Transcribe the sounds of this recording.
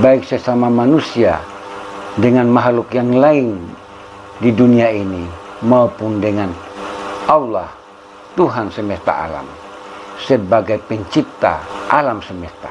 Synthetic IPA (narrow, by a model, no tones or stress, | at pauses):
baiksɛsamamanusia̰ | dəŋanmaɦlukjaŋlain | diduniainimaupundɛŋan | aulah | t̪uɦansɛmɛst̪a̰a̰la̰m | səbaɡajpɛɲt͡ʃip̚t̪a̰ʔalamsɛmɛst̪a̰